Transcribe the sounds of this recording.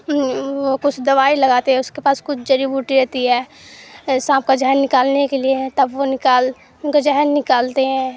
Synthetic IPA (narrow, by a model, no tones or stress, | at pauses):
ʋokʊt͡ʃʰd̪ɐʋaːilɐɡaːt̪eɦɛ̃ʊskepaːskʊt͡ʃʰd͡ʒɐɾibuːʈiɾɛɦt̪iɦɛː | sãːp̚kad͡ʒɛɦnːɪkaːlnekeliet̪ɐbʋonɪkaːl | ʊnkad͡ʒɛɦənːɪkaːlt̪eɦɛ̃ː